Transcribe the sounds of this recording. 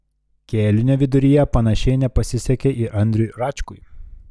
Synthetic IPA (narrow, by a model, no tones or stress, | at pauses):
kʲeːlʲʊnʲɛʋʲɪd̪ʊɾʲɪjɛpɐn̪ɐʃʲɛɪnʲɛpɐsʲɪsʲɛkʲɛʔiʔɐnʲd̪ʲɾʲʊjɾɑt͡ʃʲkʊɪ